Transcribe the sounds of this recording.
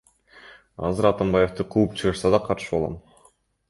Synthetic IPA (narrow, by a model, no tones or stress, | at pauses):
ɑ̰zɯɾɑt̪ambɑje̞ft̪ɯqʰuup̚t͡ʃʰɯʁɯɾsɑd̪ɑqʰɑɾʃɯolˠʁɑ̰m